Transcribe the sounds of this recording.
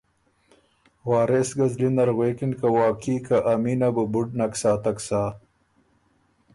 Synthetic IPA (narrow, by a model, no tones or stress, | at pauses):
waːɾesɡɐzlinɐɾɣweːkinkawaːkiːkaʔaminabəbuɖnaksaːt̪aksaː